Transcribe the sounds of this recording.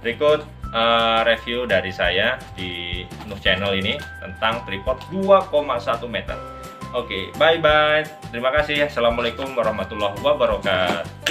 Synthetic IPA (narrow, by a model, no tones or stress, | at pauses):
bɾikʊt̪̚əɾefiudaɾisajadinuk̚t͡ʃenəlinit̪ənt̪aŋt̪ɾipɔrt̪̚duakomasat̪umet̪ə̰r | okḛbaik̚bai | t̪ːəɾimakasɪhsalamalekʊmwaɾɑhmat̪ulːɔɦwabəɾɔkat̪